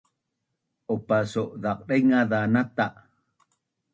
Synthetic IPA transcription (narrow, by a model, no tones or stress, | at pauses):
ʔopasoʔðaq̚ɗejŋaðanat̪aʔ